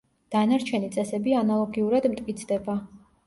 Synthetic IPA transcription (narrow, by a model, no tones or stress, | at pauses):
d̪̥anaɾt͡ʃʰɛnit̪sʼɛsɛbianalˠɔɡiuɾad̪mt̪ʼkʼit̪sʰd̪ɛba